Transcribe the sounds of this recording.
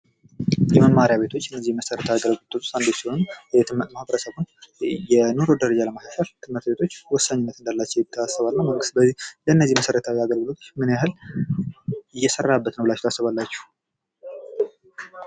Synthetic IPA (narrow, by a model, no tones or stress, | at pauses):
jɛməmːaɾijaβe̞t̪ʰo̞t͡ʃːɨnːəzːihməsəɾət̪ʰaaɡəlɡt̪ʼɨt̪o̥sand̪ot͡ʃsihonjɛjɛt̪ʰɨmməhɨβəɾəsəβunjɛnoɾo̞d̪əɾəd͡ʒaləmasaʃalt̪ʰɨmːɨɾt̪̚be̞t̪ʰo̞t͡ʃːwɔsːaɲːɪnːət̪ɨnd̪alːat͡ʃːɛwjɪt̪ʰːəasːəβalnaməŋɡɨst̪̚bəzihləɨnːəzːihməsəɾət̪ʰawiaɡəlɡɨlo̞t̪ʰo̥t͡ʃːmɨnjahɨl | ɪjːɛsərːabːət̪nəwblat͡ʃːu̥t̪ʰasːəβalːat͡ʃːɛ̥